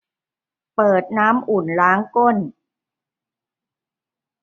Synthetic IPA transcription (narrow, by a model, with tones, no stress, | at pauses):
pɤː˨˩t̪̚naː˦˥mʔu˨˩nɾaː˦˥ŋko˥˩n